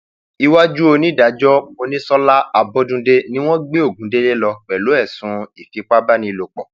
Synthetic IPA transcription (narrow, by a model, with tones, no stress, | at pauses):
i˧wa˦d͡ʒu˦o˧nĩ˦da˨˦d͡ʒɔ˦mo˧nĩ˦sɔ˦la˦a˧bɔ˦dũ˧de˦nĩ˦w̃ɔ̃˦ɡ͡be˦o˦˨ɡũ˨˦de˦le˦lɔ˧k͡pɛ˨lo˨˦ɛ˦˨sũ˨˦i˨fi˨˦k͡pa˦ba˦nĩ˧i˧˨lo˨k͡pɔ˨